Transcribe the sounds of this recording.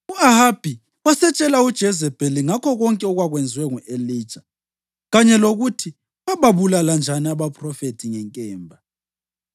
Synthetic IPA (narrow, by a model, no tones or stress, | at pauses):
uahab̥ʱi | wasɛt͡ʃʼɛlaud̥ʒ̥ʱɛzɛb̥ʱɛliŋakʰɔɣɔŋkʼɛɔɣwaɣwɛnd͡zʱwɛŋuʔeliːd̥ʒ̥ʱa | ɣaɲɛloɣutʰi | βaβaβulaland͡ʒʱaniaβapʰʼrɔfetʰiŋɛŋkʼɛːmbʱa